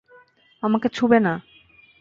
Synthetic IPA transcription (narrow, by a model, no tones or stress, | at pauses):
amaket͡ɕʰubena